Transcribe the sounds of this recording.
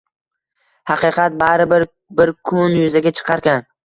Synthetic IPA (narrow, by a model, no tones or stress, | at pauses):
hɑqɨqʰɑt̪̚baɾɪbɪɾ | bɪɾkʰʊnjʊzaɡʲat͡ʃʰɨ̥qʰɑɾkʲan